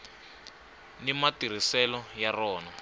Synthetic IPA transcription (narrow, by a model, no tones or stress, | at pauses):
nimatiɾ̤isɛlɔjarɔːnɔ